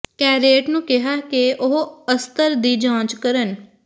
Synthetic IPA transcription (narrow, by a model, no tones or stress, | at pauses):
kɛːɾeːʈnũːkɪɦaːkeʔʊɦəst̪əɾd̪iːd͡ʒãːt͡ʃkəɾən